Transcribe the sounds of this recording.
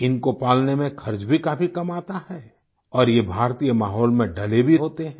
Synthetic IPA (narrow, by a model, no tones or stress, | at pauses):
ɪnkopaːlnemẽkʰɐɾd͡ʒbʱikaːfʰikɐmaːt̪ahɛː | ɔːɾjebʱaːɾt̪iːjəmaːɦɔːlmẽɖɐlebʱiɦoːt̪eɦ